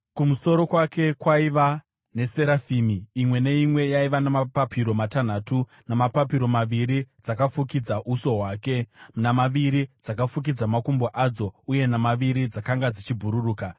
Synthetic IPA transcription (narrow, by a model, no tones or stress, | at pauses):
kumuso̞ɾo̞kwake̞kwaiʋa | ne̞se̞ɾafiːmiimwe̞ne̞imwe̞jaiʋanamapapʰiɾo̞matan̤aːtu | namapapiɾo̞maʋiɾid͡zakafukid͡zaʔuso̞ɦwaːke̞munamaʋiɾid͡zakafuk̬id͡zamakumboʔad͡zo̞uje̞namaʋiɾid͡zakaŋɡad͡zit͡ʃibʱuɾuruːka